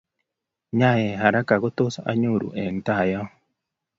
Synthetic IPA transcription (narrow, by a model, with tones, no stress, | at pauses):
ɲa˦˨je˨ɦa˨ɾa˦ka˨ɡo˦t̪o˦sa˦a̰˦ɲu˦˨ɾṵ˨ʔe˨n˨t̪a˦˨ja˦